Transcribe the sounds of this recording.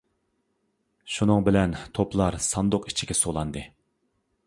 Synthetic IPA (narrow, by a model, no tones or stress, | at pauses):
ʃunɨŋbɪlɛnt̪ʰoplˠɑɾsɑnd̪ʊqi̥t͡ʃʰiɡʲɛsolˠɑnd̪ɨ